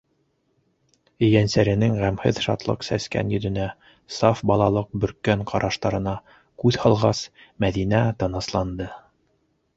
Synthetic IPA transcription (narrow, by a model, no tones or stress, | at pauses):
ɘ̆jænsæɾɘ̆nɘŋʁæmhɘðʃɑ̰t̪lˠɤ̰qsæskæ̰njɵ̆ðɵ̆næ | sɑfbɑlˠɑlˠɤq̚bɵ̆ɾkːæŋqʰɑɾʔɑʃt̪ɑɾɤ̆nɑ | kʉðhɑlˠʁɑsmæðinæt̪ɤ̆nɤ̆slˠɑnd̪ɤ